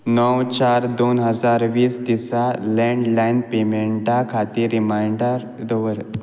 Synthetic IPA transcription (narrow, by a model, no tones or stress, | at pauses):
nəwt͡ɕaɾd̪onɦəd͡zaɾʋiːst̪isalɛ̃ɳɖlajnpemeɳʈakʰat̪iɾimajɳɖə | d̪əʋəɾ